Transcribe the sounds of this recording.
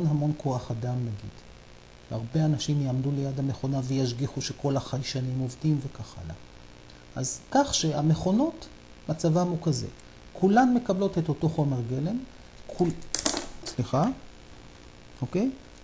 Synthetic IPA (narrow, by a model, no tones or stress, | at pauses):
nɦamo̞nko̞aχadamnaɡḭd̥ | ʃeaʁbeanaʃimjaamdule̞jadhame̞χo̞nave̞jaʃ̬ɡiχuʃe̞kʰo̞laχajʃanimo̞vdimve̞kaχa̰la̰ | ʔazkaχʃe̞ameχo̞no̞t | mat͡savamukazḛ | kʰulanme̞kablo̞te̞to̞to̞χo̞me̞ʁɡelem | kʰu | sliχa | okej